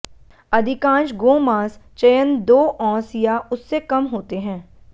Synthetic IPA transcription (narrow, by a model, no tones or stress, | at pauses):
ɐd̪ʱɪkãːnʃɡoːmãːst͡ʃɐjənd̪oːʔɔ̃ːsijaʊsːekɐmɦoːt̪eɦɛ̃ː